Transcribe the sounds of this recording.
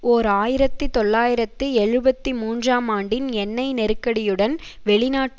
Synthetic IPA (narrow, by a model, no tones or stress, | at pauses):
oːɾaːjɪɾɐt̪ːɯt̪ɔɭːaːjɪɾɐt̪ːɯɛɻɯbɐt̪ːimuːndraːmaːɳɖɪnɛnːɐɪnɛɾɯkːɐɽɪjɯɽɐnʋɛɭɪnaːʈː